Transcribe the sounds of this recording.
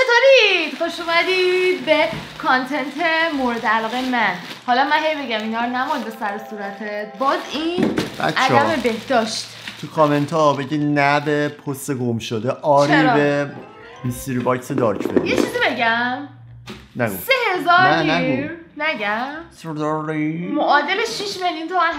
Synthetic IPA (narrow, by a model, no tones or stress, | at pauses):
t͡ʃʰet̪ʰoɾid̪̥xoʃumæd̪id̪̚bekʰɒnt̪ʰe̞nt̪ʰemoɾed̪ælɒːɣejemæn | hɒlɒmænɦejbe̞ɟæminɒːɾnæmond̪besæɾesuɾæt̪ʰebɒːzinbæ̰ʔædæmebehd̪ɒːʃt̪ | t̪ʰukʰɔment̪ʰɒbeɟiːnæbepʰost̪eɡomʃod̪eʔɒːt͡ʃɾibe | mist̪iɾibɒjksed̪ɒːɾcʰbḛd̪ijet͡ʃʰizibe̞ɟæm | næɡosehe̞zɒːɾnnæiɡnæɟæmsɾd̪ɔɾimoʔɒːd̪e̞leʃiʃmeljunt̪ʰomæn